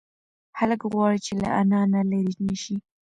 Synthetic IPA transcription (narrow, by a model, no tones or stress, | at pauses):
haləkɣwɑɽit͡ʃela̰ʔanɑnalaɾinəʃi